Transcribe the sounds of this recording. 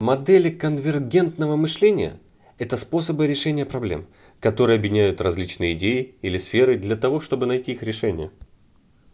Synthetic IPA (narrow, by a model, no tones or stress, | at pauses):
mɐd̪ɛlʲɪkənvʲɪrɡʲe̞nt̪nəvəmɨʂlʲenʲɪjə̰ | ɛt̪əspo̞səbɨɾʲɪʂɛnʲɪjəpɾɐblʲḛm | kɐt̪o̞ɾɨjəɐbjɪnʲæjʊt̪rɐzʲlʲit͡ɕnɨjəɪdʲejɪilʲɪsfʲeɾɨd̪lʲɐt̪ɐvo̞ʂt̪o̞bɨnɐjtʲiixɾʲɪʂɛnʲɪ̰jə